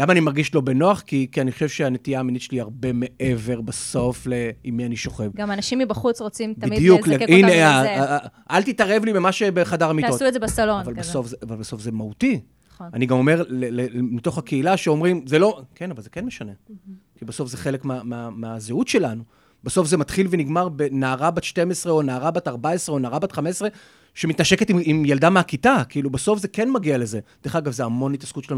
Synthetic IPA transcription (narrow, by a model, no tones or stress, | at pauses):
lamaːnimaʁɡiʃlo̞be̞noaχkikianiχo̥ʃevʃeanetijaːminitʃeliaʁbe̞me̞ʔeve̞ʁbaso̞fleimːianiʃo̞χevɡamanaʃimibɐχut͡sʁot͡simtb̪aidijukinea | alt̪itaʁe̞vlimemaʃebeχadaʁamitːosuezebasaloavalbeso̞fzeavalbeso̞fze̞mahuti | aniɡamo̞me̞ʁlelemit̪o̞χakeilaʃeo̞mʁimzelo̞kenavalzekenmeʃane̞kibeso̞fzeχelekmeameameazeutʃe̞lanu | beso̞fze̞mat̪χilveniɡmaʁbenaːʁabat̪ʃte̞mesʁeonaːʁabat̪aʁbaesʁeonaːʁabat̪χamesʁe̞ | ʃemitnaʃe̞ketimimjaldameakitakiilubeso̞fzeke̞nmaɡiale̞ze̞d̥̪eχaɡavzeamo̞nhit̪askut̪ʃelanu